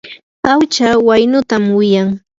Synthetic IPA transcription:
pawt͡ʃawajnʊt̪amwɪjaŋ

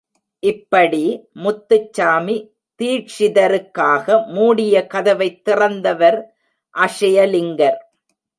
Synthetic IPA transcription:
ʔɪpːɐɽimʊt̪ːɯt͡ʃːaːmi | t̪iːʈʂɪðɐɾɯkːaːɣɐmuːɽɪjɐkɐðɐʋɐɪt̪ːɪrɐnd̪ɐʋɐɾ | ʔɐʂɐjɐlɪŋɡɐɾ

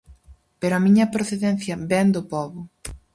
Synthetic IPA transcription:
peɾʊɐmiɲɐpɾoθeðɛn̟θjɐbɛnd̪ʊpɔβʊ

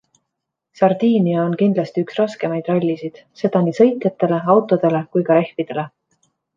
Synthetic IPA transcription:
sɑrd̪̥iːniɑonkind̪lɑst̪iyksrɑske̞mɑjd̪̥rɑlʲːisid̪̥se̞d̪̥ɑnisɤ̞jt̪ˑjet̪ːe̞le̞ɑwt̪ːˑo̞d̪̥e̞le̞kujkɑɾe̞hvid̪̥e̞le̞

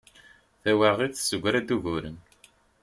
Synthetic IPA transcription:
θæwəɾʁiθsəɡʷːɾæd̪uʝuɾə̰n

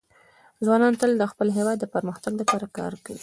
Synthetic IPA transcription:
zwɑnɑnt̪əld̪əxpəlɦewɑd̪ːəpəɾməxt̪aɡlapɑɾakɑ̰ɾkawi

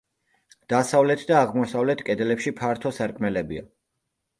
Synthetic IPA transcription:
d̪̥asavlɛt̪ʰd̪aːʁmɔsavlɛt̪ʰkʼɛd̪ɛlɛpʃipʰaɾt̪ʰɔsaɾkʼmɛlɛbḭa̰

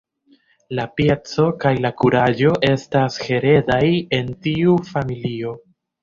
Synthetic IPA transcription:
lapjet͡so̞kajlakuɾad͡ʒo̞ʔe̞stashe̞ɾe̞daje̞ntiufamilio̞

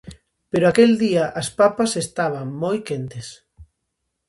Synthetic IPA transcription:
peɾoakeld̪iɐʔaspapasest̪aβ̞ɐŋmojkent̪es

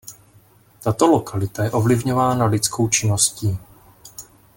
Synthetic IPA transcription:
t̪at̪o̞lokʰalɪt̪ajɛʔo̞vlɪvɲo̞vaːnalɪt͡skʰo̞wt͡ʃɪnosciː

